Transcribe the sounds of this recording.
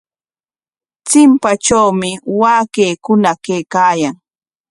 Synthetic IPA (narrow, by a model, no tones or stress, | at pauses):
t͡sɪmpat͡ʃawmɪwaːkeːkʊnakejkaːjaŋ